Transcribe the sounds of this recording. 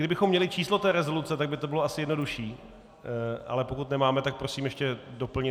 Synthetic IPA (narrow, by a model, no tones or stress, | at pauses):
ɡdɪbɪxomːɲɛlɪt͡ʃiːslo̞t̪ɛːɾɛzo̞lut͡sɛt̪aɡ̚bɪt̪o̞bɪlo̞asɪjɛdno̞duʃiː | ʔa̰lɛpo̞kut̪nɛmaːmɛt̪ak̚pɾo̞siːmjɛʃcɛdo̞pl̩ɲɪ